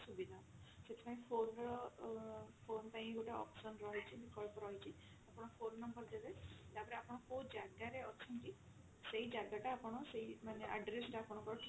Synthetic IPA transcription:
subid̪ʱaseʈ̪ʰi̥paĩpʰonɾɔ | pʰonpaɦĩɡoʈaɔ̰psɔnɾɔɦɔt͡ʃʰibikɔɭpɾɔɦjt͡ʃʰi | apɔɽ̃ɔpʰonːɔmbəɾd̪ebed̪apɔɾeapɔɽ̃ɔkod͡ʒaɡaɾeɔt͡ʃʰinki | seɦid͡ʒaɡaʈaapɔɽ̃ɔseɦimaneʔaɖɾesʈapɔɽ̃ɔkɔɾɔʈʰ

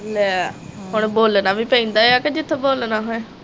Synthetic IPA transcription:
lɛɦʊɳboːlnaːʋiːpə̃ĩːnd̪aːeaːked͡ʒɪt̪ʰːboːlnaːɦoɛ̃

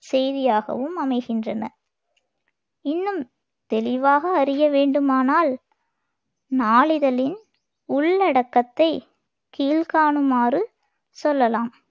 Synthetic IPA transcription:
sɛjðɪjaːɣɐ̰ʋɯmɐmɐɪɣɪndrɐnɐ̰ | ɪnːɯm | t̪ɛlɪʋaːɣɐːɾɪjɐʋeːɳɖɯmaːnaːl | naːɭɪðɐlɪn | ʊɭːɐɽɐkːɐt̪ːɐɪ | kiːlkaːɳɯmaːrɯ | sɔlːɐlaːm

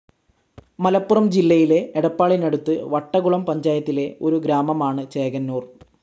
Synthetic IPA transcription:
mɐlɐpːurɐmd͡ʑilːɐjile̞ːɽɐpːaːɭinɐɽut̪ːɨʋɐʈːɐɣuɭɐmpɐɲd͡ʑaːjɐt̪ːile̞o̞ɾuɡɾaːmɐmaːɳɨt͡ɕeːɡɐnːuːr

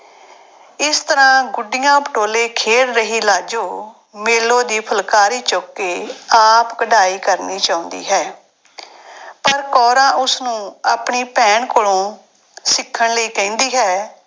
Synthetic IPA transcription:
ɪst̪əɾãːɡʊɖɪjãːpəʈoːleːkʰeːɽɾəɦiːlaːd͡ʒoː | meːlõːd̪iːpʰəlkaːɾiːt͡ʃoːkːeːaːpkəɖaːiːkəɾniːt͡ʃaːʊ̃nd̪ḭːɦɛː | pəɾkɔːɾãːʔʊsnũːaːpɳiːpɛ̃ːɳkoːlõː | sɪkʰːəɳləiːkɛ̃ːnd̪iːɦɛː

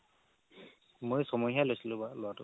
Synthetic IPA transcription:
mojsɔmɔjɦialojsilʊ̃balʊwatʊ

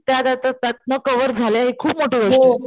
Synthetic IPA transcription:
t̪jad̪at̪ət̪at̪̚nəkəʋəɾd͡zʱaleaɦikʰuːpmoʈeʋəu

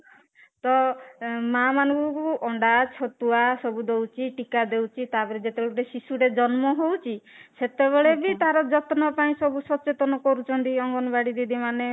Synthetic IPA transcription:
t̪ɔ | mamanɔ̃ŋkɔkuʔɔɳɖat͡ʃʰɔt̪uasɔbud̪owt͡ʃʰiʈikad̪ewt͡ʃʰit̪abɔɾed͡ʒet̪ebeɭeɾesisuɽed͡ʒɔnmɔɦowt͡ʃʰi | set̪eβeɭebit̪aɾɔd͡ʒɔt̪nɔpaĩsɔbusɔt͡ʃet̪ɔnɔkɔɾut͡ʃʰɔnt̪iɔŋɡɔnɔbaɽid̪id̪ʱimane

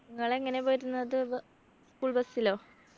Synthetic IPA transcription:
nniŋːɐɭe̞ŋːɐne̞bɐɾunːɐðɨ | skuːɭbɐsːilo̞ː

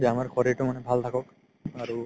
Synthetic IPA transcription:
d͡ʒiamaɹxʰɔɹiɹtʊmanɛbʱalt̪ʰakɔk | aɹu

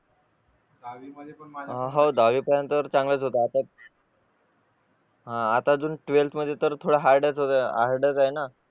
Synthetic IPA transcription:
iəɦãɦawd̪aʋiːpəɾjant̪əɾt͡sãŋɡlət͡sɦot̪aat̪a | ɦãat̪ad͡zuːnʈʋelt̪ʰməd̪ʱːjet̪əɾt̪ʰoɽaɦaɾɖət͡sɦot̪əa̰ɾɖət͡saɦena

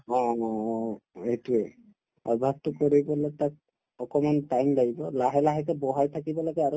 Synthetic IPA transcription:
ɔ̃ | etuɛ | ɔ̰bʱab̚t̪ɔkoɹibɔlɛtak̚ | ɔkɔmantajmlaibɔlaɦɛlaɦɛkɛbɔɦajt̪ʰakibɔlɔɡɛaɹu

